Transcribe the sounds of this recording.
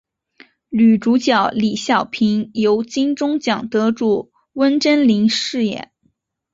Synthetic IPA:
ly˨˩ʈ͡ʂu˧˥t͡ɕjɑ˨˩ʊli˨˩ɕjɑ˥˩ʊpʰi˧˥njo˧˥ʊt͡ɕi˥ŋʈ͡ʂʊ˥ŋt͡ɕjɑ˨˩ŋt̪ɤ˧˥ʈ͡ʂu˨˩ | wə˥nʈ͡ʂə˥nli˧˥ŋʂɻ̩˥˧jɛ̰˨˩˦n

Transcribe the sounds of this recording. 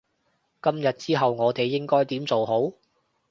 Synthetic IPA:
kɐ˥mjɐ˨t̚t͡siː˥ɦɐ˨wŋɔː˨˧t̪e˨jːɪ˥ŋkɔː˥jt̪iː˨˥mt͡so˨wɦo˨˥w

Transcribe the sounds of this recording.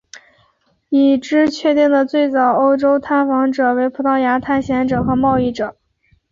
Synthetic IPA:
i˥˩ʈ͡ʂɻ̩˥t͡ɕʰɥɛ˥˧t̪i˥˩ŋd̪ə˩t͡swe˥˩ɪt͡sɑ˨˩ʊo˥ʊʈ͡ʂo˥ʊt̪ʰa˥˩nfɑ˧˥ŋʈ͡ʂɤ˨˩we˧˥ɪpʰu˧˥t̪ʰɑ˥˩ʊja˧˥t̪ʰa˥˩nɕjɛ˧˥nʈ͡ʂɤ˨˩xɤ˧˥mɑ˥˧ʊi˥˩ʈ͡ʂɤ˨˩˦

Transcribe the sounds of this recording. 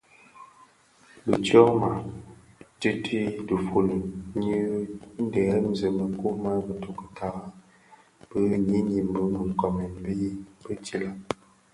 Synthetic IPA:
bə˨tjɔ˦ma˨ | ti˦tʰi˦də˨fu˨nə˨ɲi˦n̩˦dɛ˨˦m˦˨zə˨mə˨˦ku˦ma˦bə˨to˨kə̥˨tʰa˨˦ | b̥ə˦ɲi˦ɲi˨m˨bə˨˦mə˨ŋ˨kɔ˨me˨m˦bi˦ji˦bə˦ti˦la˦

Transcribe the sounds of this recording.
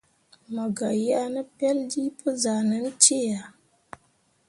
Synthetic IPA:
ma˨ɡa˨ji˦a˦nə˦pɛ˦ldi˦pə˦za˨nə˦n˦t͡ʃe˦˨ja˨

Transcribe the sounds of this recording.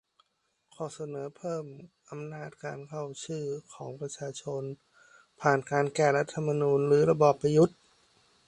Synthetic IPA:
kʰɔː˨˩sa˧nɤː˩˦pʰɤː˥˩mʔa˧mnaː˥˩t̪̚ka̰ː˧nkʰa˥˩wt͡ɕʰɯː˥˩kʰɔː˩˦ŋpɾa˧t͡ɕʰaː˧t͡ɕʰo˧n | pʰaː˨˩nkaː˧nkɛː˧˩ɾa˦˥t̪ʰːa˧mːa˧nuː˧nɾɯː˩˦ɾa˧bɔː˨˩pːɾa˧ju˦˥t̪̚

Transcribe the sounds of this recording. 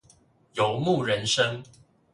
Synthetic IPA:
jo˨˦ʊmu˥˨ɻə˨˦nʂə˦ŋ

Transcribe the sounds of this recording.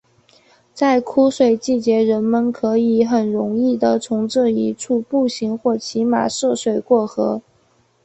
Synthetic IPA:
t͡sa˥˩ɪkʰu˥ʂwe˨˩ɪt͡ɕi˥˩t͡ɕjɛ˧˥ɻə˧˥nmə˧nkʰɤ˧˥i˧˥xə˨˩nɻʊ˧˥ŋi˥˩d̪ə˩t͡sʰʊ˧˥ŋʈ͡ʂɤ˥˩i˧˥ʈ͡ʂʰu˥˧pu˥˩ɕi˧˥ŋxwɔ˥˩t͡ɕʰi˧˥ma̰˨˩ʂɤ˥˩ʂwe˨˩ɪkwɔ˥˩xɤ˧˥

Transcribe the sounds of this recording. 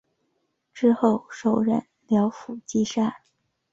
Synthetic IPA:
ʈ͡ʂɻ̩˥xo˥˩ʊʂo˨˩ʊɻə̰˧˥n | ljɑ˧˥ʊfu˨˩t͡ɕi˥ʂa˥˩n

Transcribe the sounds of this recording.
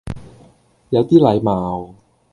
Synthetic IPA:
ja˨˥wt̪iː˥˩la˨˥jmaː˨˧w

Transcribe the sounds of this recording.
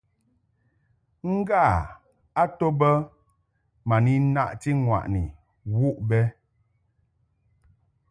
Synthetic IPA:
ŋ̩˦ɡa˦˨ | a˦to˦bə˦ | ma˨ni˦na˦ʔti˦ŋwa̰˨ʔni˨ | wu˦ʔbɛ˦

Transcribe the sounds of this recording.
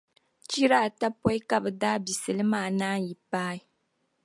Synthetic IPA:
t͡ʃi˦ɾa˦˨ta˦pɔ˦ji˦ka˨bɨ˨daː˦bi˨sɨ˨lɨ˦maː˦˨naː˦ji˨paː˦i˨˦

